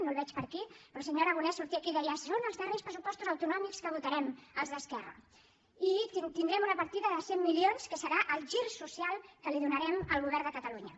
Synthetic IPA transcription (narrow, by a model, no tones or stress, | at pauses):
nolˠβɛt͡ʃpəɾkipɾɔsəɲoɾəɣunɛsuɾt̪iəkiðɛiasonəlˠzðərejspɾəsupɔst̪uzəwt̪unɔmikskəβut̪əɾɛməlˠzðəskɛrə̰ | it̪ind̪ɾɛmunəpəɾt̪iðəðəsemːilionskəsəɾaʔəlˠʒiɾsusialˠkəliðunəɾɛməlˠɣuβɛɾnd̪əkət̪əluɲə